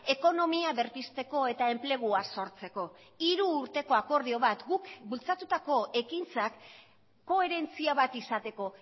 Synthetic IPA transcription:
e̞ko̞no̞miaβe̞ɾpist̪e̞ko̞e̞t̪ae̞mple̞ɣ̞uaso̞ɾt͡se̞ko̞ | iɾuːɾt̪e̞ko̞ako̞ɾðio̞βat̪ɡukbult͡sat̪ut̪ako̞e̞kint͡sakː | o̞e̞ɾe̞nt͡siaβat̪isat̪e̞ko̞

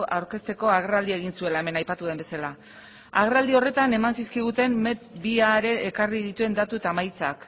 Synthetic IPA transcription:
ʔawɾke̞st̪e̞ko̞aɣ̞erald̪ie̞ɣinsue̞laeme̞najpat̪uðe̞mbe̞sala | a̰ɣ̞erald̪io̞re̞t̪ane̞mansiskiɣ̞ut̪e̞mːe̞t̪biaɾe̞ʔːkarið̞it̪ue̞nd̪at̪uet̪amajt͡sak

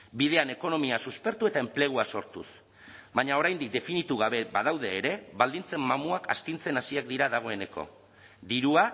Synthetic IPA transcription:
bið̞e̞ane̞ko̞no̞miasuspe̞ɾt̪ue̞t̪ae̞mple̞ɣ̞uaso̞ɾt̪ṵs | βaɲao̞ɾajnd̪ik̚d̪e̞finit̪uɣ̞aβe̞bað̞awðe̞ːɾe̞βald̪int͡se̞mːamuaka̰st̪int͡se̞nasiakd̪iɾaðaɣ̞o̞e̞ne̞ko̞̰ | d̪iɾua

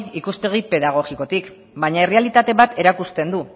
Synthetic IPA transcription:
ikuspe̞ɣ̞ipe̞ðaɣ̞o̞ɣiko̞t̪ik | baɲae̞realit̪at̪e̞βat̪e̞ɾakust̪e̞nd̪u

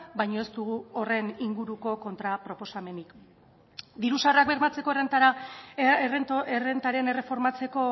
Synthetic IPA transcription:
bajɲo̞e̞st̪uɣuo̞re̞niŋɡuɾuko̞ko̞nt̪ɾapɾo̞po̞same̞nik | d̪iɾusarak̚be̞ɾmat͡se̞ko̞erent̪aɾa | ere̞nt̪aɾe̞ne̞re̞fo̞ɾmat͡se̞ko̞

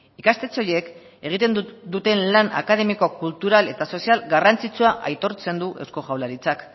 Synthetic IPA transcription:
ikast̪e̞t͡so̞je̞k | e̞ɣ̞it̪e̞nd̪ut̪e̞nlana̰kaðe̞miko̞kult̪uɾale̞t̪aso̞sialɡarant͡sit͡suaʔajt̪o̞ɾt͡se̞nd̪uʔe̞wsko̞ʝawlaɾit͡sak

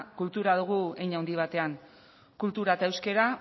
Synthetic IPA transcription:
kult̪uɾaðuɣ̞uejɲauwnd̪iβ̞at̪e̞aŋ | kult̪uɾat̪ae̞wske̞ɾa

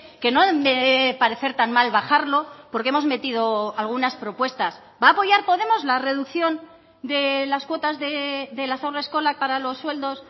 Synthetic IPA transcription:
ke̞no̞mepaɾe̞θe̞ɾt̪anmalβaχaɾlo̞po̞ɾkeemo̞zme̞t̪iðo̞alɣunaspɾo̞pwe̞st̪as | baːpo̞ʝaɾpo̞ðe̞mo̞zlare̞ðukθjo̞n | d̪e̞laskwo̞t̪azðeðe̞lasawraesko̞lak̚paɾalo̞sːwe̞ld̪o̞s

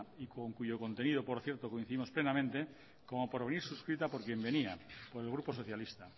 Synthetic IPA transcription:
ikoŋkuʝoko̞nt̪e̞nið̞opoɾθje̞ɾt̪okoinθiðimo̞splenamẽnt̪e | komopoɾβeniɾsuskɾit̪apoɾkje̞mbe̞niapoɾelɣ̞ɾupo̞so̞θjalist̪a

